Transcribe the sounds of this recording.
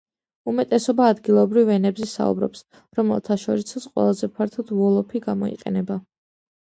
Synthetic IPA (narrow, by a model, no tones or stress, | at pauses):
umɛt̪ʼɛsɔbaːd̪ɡilˠɔbɾivɛnɛbzɛsa̰ṵbɾɔ̰ps | ɾɔmɛ̰lˠt̪ʰaʃɔɾisasqʼwɛ̰lˠazɛpʰaɾt̪ʰɔd̪ɔlˠɔpʰiɡamɔ̰ḭqʼɛ̰nɛba